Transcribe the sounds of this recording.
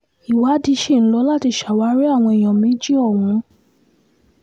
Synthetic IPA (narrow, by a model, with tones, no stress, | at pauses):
i˨wa˨˦di˧˦ʃe˦˨ñ̩˦lɔ˦la˦˨ti˧˨ʃa˨wa˨˦ɾe˦a˦˨w̃ɔ̃˧i˨j̃ɔ̃˨mĩ˦d͡ʒi˦ɔ˦˨w̃ũ˨˧˦